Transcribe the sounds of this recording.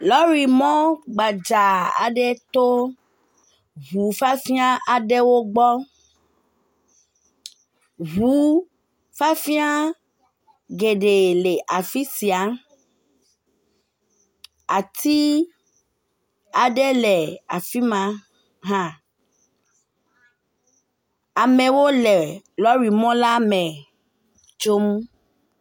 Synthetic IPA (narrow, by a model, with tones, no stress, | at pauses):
lɔ˦ɾi˨mɔ̃˦ɡ͡ba˨d͡ʒa˨a̰˨ɖɛ˦t̪o˦ | ɣu˨fa˦fi˦a˦ʔa˨ɖɛ˦wo˦ɡ͡bɔ˦ | ɣɦu˨˦ | fa˦fi˦a˦ | ɡe˨ɖe˨le˨ʔa˨fi˦si˨a˨˦ | a˨t̪ʰi˦ | a˨ɖɛ˦lɛ˨a˨fi˦mã˦ | ɦã˦ | a˨mẽ˨wo˦lɛ˨lɔ˦ɾi˨mɔ̃˦la˦mɛ̃˨ | t͡ʃo˦m˦